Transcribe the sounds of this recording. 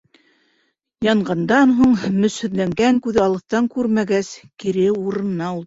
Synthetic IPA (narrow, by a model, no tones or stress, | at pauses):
jɑɴɢɑnd̪ɑnɦuɴmɵ̆shɵ̆ðlæŋɡæŋkʉðɘɑlˠɤ̆θt̪ɑŋkʉɾmæɡæskiɾɘuɾɤ̆nɤ̆nɑulˠ